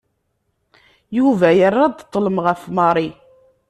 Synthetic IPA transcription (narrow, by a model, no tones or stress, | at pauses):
juvæjərˤːɑd̪t̪ˤːləmʁəfmɑɾˤi